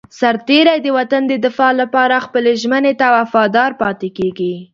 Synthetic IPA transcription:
saɾt̪eɾajd̪əwat̪and̪əd̪ɪfɑlapɑɾaxpəleʒmənet̪aːwafɑd̪ɑɾpɑt̪ekeɡi

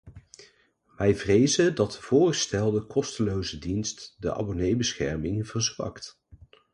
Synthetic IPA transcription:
ʋɛjvrejzədɑt̚əv̥ʊːrχəstɛlˠdəkɔstəlowzədinstdəʔɑ̰bonejbəsχɛ̰ɹmɪŋv̥əɹzʋɑ̰kt

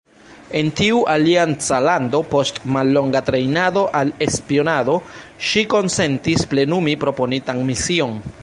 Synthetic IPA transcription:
e̞ntiuʔaliant͡salando̞po̞stmalːo̞ŋɡatɾe̞jnado̞ʔale̞spio̞nado̞ʃiko̞nse̞ntisple̞numipɾo̞po̞nitanmisio̞n

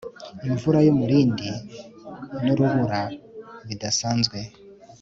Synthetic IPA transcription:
iɱvuɾajomuɾiːndi | noɾuβuɾaβidasaːnzɡwe̞

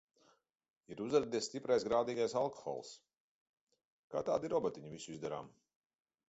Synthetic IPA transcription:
iɾuzɾad̪ist̪ipɾajsɡɾaːd̪iːɡajsalˠkɔ̥xɔ̰lˠs | ka̰ːt̪a̰ːd̪iɾɔbɔt̪iɲuvisuizd̪aɾa̰ːm

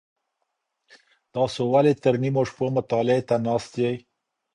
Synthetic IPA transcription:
t̪ɑsowalet̪əɾnimoʂpomʊt̪ɑlɪet̪anɑst̪jej

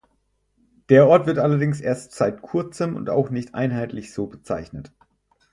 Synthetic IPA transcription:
d̥eːɐʔɔɐtv̥ɪɐtʔalɐdɪŋsʔḛːɐstz̥aɪtkʰʊɐt͡səmʊ̰nta̰ʊxnɪçtʔa̰ɪnɦaɪtlɪçz̥oːbət͡sa̰ɪçnət

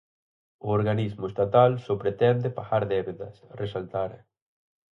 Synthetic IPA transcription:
ʊoɾɣanizmʊest̪at̪alsopɾet̪ɛnd̪ɪpaɣaɾðɛβeðɐ̰sresalt̪aɾɐ

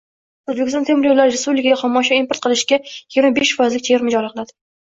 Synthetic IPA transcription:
ozbekʲɪsɔnʰemɾjowlaɾɾespublɪkʰaɡʲaχɒmːɒʃɒimpoɾt̪̚qʰɨlɪʃkʲajɪɡʲɾmabeʃfɒjɪzlɪk̚ʲt͡ʃʰeɾmɪd͡ʒɒlˠqʰɨlad̪ɪ

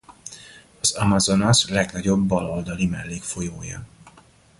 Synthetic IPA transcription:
ɒzɒmɒzo̞nɒslɛɡnɒɟo̞bːɒlo̞ld̪ɒlimɛlːeːkfo̞joːjɒ̰

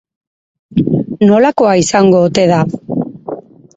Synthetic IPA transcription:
no̞lako̞aisaŋɡo̞ːt̪e̞ða

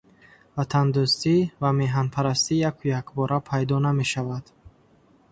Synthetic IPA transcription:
vat̪ʰand̪ust̪ivame̞ɦanpʰaɾast̪ijakʰujakbɔɾapʰajd̪ɔname̞ʃavad̪̥

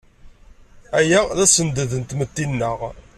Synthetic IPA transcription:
æjæðæsənd̪əðənt̪mət̪ːinːəʁ

